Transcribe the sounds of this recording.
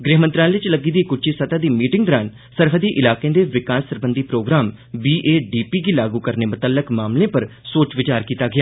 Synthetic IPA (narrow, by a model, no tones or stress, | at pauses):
ɡɾeːɦmənt̪ɾãːʋɪt͡ʃləɡiːd̪iːkʊt͡ʃʰiːsət̪aːd̪iːmiːʈɪŋɡd̪əɾaːn | səɾɦəd̪iːʔɪlaːkẽːd̪eːʋɪkaːsːəɾbənd̪iːpɾoːɡɾaːm | biːʔeːɖiːpiːɡiːlaːɡuːkəɾneːmʊt̪əlːəkmaːmlẽːpəɾsoːt͡ʃʋɪt͡ʃaːɾkiːt̪aːɡɪjaː